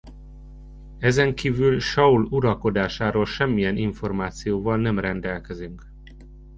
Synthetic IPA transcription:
ɛzɛŋkiːvylʃɒuluɾɒlko̞d̪aːʃaːɾoːlʃɛmːijɛniɱfo̞rmaːt̪sijoːvɒlnɛmrɛnd̪ɛlkɛzyŋk

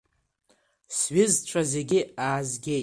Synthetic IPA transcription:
sɥɪzt͡ʃʷʰaze̞ɡʲɪaːzɡʲej

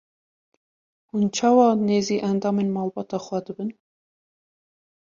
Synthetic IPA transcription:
hunt͡ʃʰɑːwɑːneːziːʔænd̪ɑːmeːnmɑːlbɑːt̪ʰɑːxwɛd̪ɨbɨn

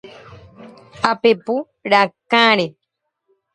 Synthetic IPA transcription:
apepu | ɾakãɾe

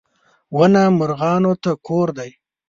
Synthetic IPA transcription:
wənamʊɾɣɑːnot̪akʰoɾd̪aj

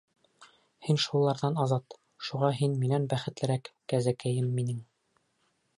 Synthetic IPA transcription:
hinʃulˠɑɾðɑnɑzɑt̪ | ʃuʁɑɦinminænbæχɘ̆t̪lɘ̆ɾækːæzækæjɘmːinɘŋ

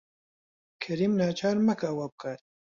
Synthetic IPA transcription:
kʰɐɾiːmnaːt͡ʃʰaːɾmɐkaːwab̚kaːt̪̚

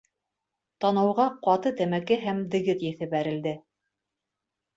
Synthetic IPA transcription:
t̪ɑnɑ̆wʁɑqɑt̪ɤt̪æmækɘɦæmd̪ɘ̆ɡɘt̪jæθɘbæɾɘ̆ld̪ɘ

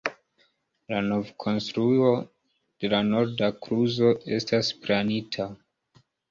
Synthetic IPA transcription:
lano̞vkʰo̞nstɾuo | d̥e̞lano̞ɾdakɾuzo̞ʔe̞̰stasplanitʰa

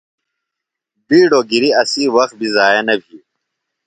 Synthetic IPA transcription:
biːɖoːɡiɾiɐsiːwɐxt̪̚bʱizaːjenɐbʱiː

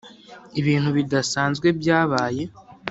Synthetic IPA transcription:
iβiːn̥huβidasaːnzɡwe̞bjaːβaːje̞

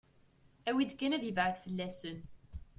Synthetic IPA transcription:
æwid̪kːænæðjəvʕəθfəlːæsən

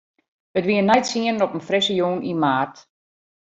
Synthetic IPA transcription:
ətʋiənɛjtsiənnɔpənfrɪsəjuːnʔimaːrt

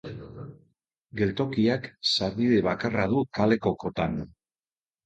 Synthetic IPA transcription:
ɡe̞lt̪o̞kiaksaɾβiðe̞β̞akaraðukale̞koko̞t̪an

